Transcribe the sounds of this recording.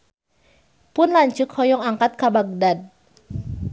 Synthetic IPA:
pʊnlaɲt͡ʃukhɔjɔŋaŋkat̪̚kabaɡ̚dad̚

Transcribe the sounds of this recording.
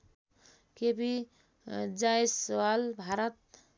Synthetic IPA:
kebi | d͡ʒajswalbʱaɾət̪̚

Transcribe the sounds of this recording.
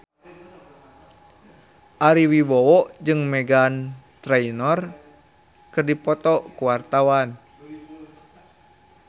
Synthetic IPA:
ʔaɾiwiwɔwɔʔd͡ʒɨŋmɛɡant̪ɾɛinɔr | kɨrdipɔt̪ɔʔkuwart̪awan

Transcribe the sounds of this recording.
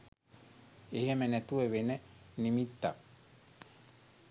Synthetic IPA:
eihæmenːet̪ueʋenenimit̪ːa̰

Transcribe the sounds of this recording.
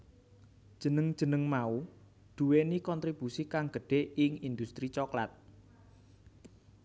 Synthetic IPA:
d̥ʒ̥ə̤nəŋd̥ʒ̥ə̤nəŋmau | d̪̥uwenikɔnt̪ɾib̥usikaŋɡ̥ə̤ɖ̥e̤ɪŋind̪ust̪ɾit͡ʃɔkla̰t̪̚

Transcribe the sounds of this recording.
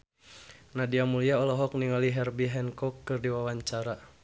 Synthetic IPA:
nadiamuliaɔlɔɦɔk̚niŋaliɦɛrbiɦɛnkɔkːɨrdiwawaɲt͡ʃaɾa

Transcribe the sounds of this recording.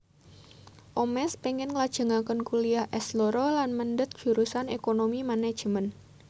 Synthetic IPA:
ʔomɛspeŋɛnŋəlad̥ʒ̥ə̤ŋakənkuliahʔɛsloɾolanməndət̪̚ʒ̥ṳɾusanekonomimanḁd͡ʒ̥əmən

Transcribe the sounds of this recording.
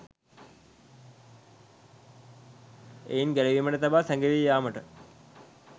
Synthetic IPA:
ḛjinɡæleʋimənət̪abaːsæŋɡeʋijaːməʈə

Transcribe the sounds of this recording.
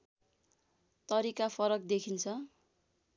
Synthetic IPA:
t̪ʌɾikapʰʌɾʌk̚d̪ekʰint͡sʰʌ

